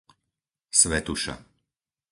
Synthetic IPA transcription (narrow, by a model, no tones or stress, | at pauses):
sʋɛt̪uʃa̰